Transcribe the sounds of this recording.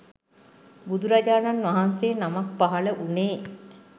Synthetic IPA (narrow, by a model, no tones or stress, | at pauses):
bud̪uɾad͡ʒaːnanʋaɦanseːnamak̚paɦaləʔuneː